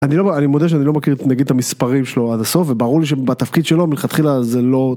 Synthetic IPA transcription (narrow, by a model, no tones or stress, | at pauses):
aniloanimod̪eaʃ̬eanilo̞makiʁnaɡid̪̚t̪amispaʁimʃeload̪aso̞fvebaʁuʁliʃ̬ebat̪afkid̪ʃelomilχat̪χilazelo̞